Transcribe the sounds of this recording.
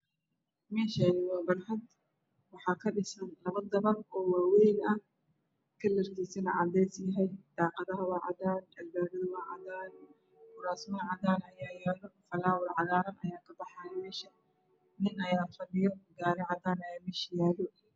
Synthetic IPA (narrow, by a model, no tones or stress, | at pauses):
mɛːʃanɪwɑːbɐnħɐd̪ | wɑħɑːkʰɐɖɪsɐnlɐβɐd̪ɐβɐrɔːwaːwɛjnɐh | kʰɐlɐrkʰisɐnɐʕɑ̰d̪ɛjsjɐɦɛjd̪̥ɑːqɑðɐɦɐwɑːʕɑ̰daːnɐlbaːɾɐðɐwɑːʕɑ̰ðaːn | kʊɾaːsmɐɐʕɑðaːnɐjaːjaːlɔfɐlaːwɪlʕɑɣaːɾɐnɐjaːkʰɐbɑħɑmɛːʃɐ | nɪnʔɐjaːfɐdɪjɔɡaːɾɪʕɑðaːnɐjaːmɛːʃɐjaːlɔ